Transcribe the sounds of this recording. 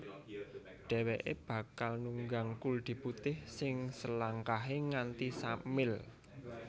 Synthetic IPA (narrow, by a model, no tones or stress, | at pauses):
ɖ̥ɛ̤weʔeb̥ä̤kalnuŋɡaŋkuld̪̥i̤put̪ɪhsɪŋsəlaŋkaɦeŋant̪isamɪl